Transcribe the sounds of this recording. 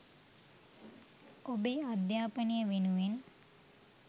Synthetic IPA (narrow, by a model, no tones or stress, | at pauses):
obeːad̪jaːpənijəʋenuʋen